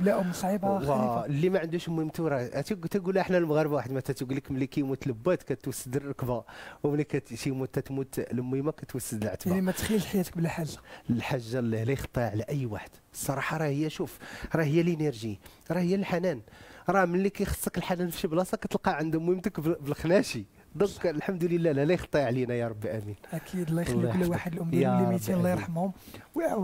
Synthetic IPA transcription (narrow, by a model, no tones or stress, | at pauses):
blæʔʊməsˤʕibawælːimæʕənd̪uʃmwəmt̪ɾˤɑʔt̪t̪æɡulʔəħnælmɣæɾˤəbwaħəd̪mæt̪æt̪ɡulikməlːikæjmut̪ləbːæt̪kæt̪ːwəsːəd̪əlːˤɑkbawməlːikæt̪ʃimut̪ːæt̪mut̪ləmimakæt̪wəsːəd̪əlʕə̰t̪baimæt̪xilt̪ħajæt̪ə̥k̚blæħalaəlħaʒːalːilæjəxt̪ˤːiʕlæʔəjːwaħəd̪̥sˤːɑɾˤɑħɑɾˤɑhəjːæʃufɾˤɑhəjːælineɾʒi | ɾˤɑhəjːælħanænɾˤɑmənlikæjxə̥sˤːəkəlħanænfʃəblɑsˤɑkæt̪əlqɑʕənd̪əmimt̪əkbbəlxnæʃi | d̪ɑklħamd̪ləlːælælæjəxt̪ˤːiʕlinæjɑɾˤɑbːiʔæminʔækʰid̪lːɑjxlːukəlːwaħəd̪lʔʊmdjlimit̪inllːɑjəɾˤħəmhʊmw